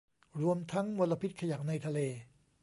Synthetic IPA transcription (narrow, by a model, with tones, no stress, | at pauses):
ɾu˧əmt̪ʰa˦˥ŋmo˧nla˧pʰi˦˥t̪̚kʰa˧ja˨˩k̚na˧jt̪ʰa˧leː˧